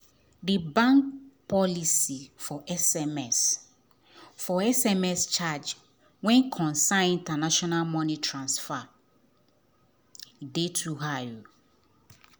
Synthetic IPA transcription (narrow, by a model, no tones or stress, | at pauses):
dibãŋk̚pʰɔlisifɔʔɛsɛmɛs | fɔɛsɛmɛst͡ʃad͡ʒ | wɛ̃nkʰɔ̃nsãnĩntanaʃɔnalmɔ̃nĩtʰɹãnsfa | idetʰuɦau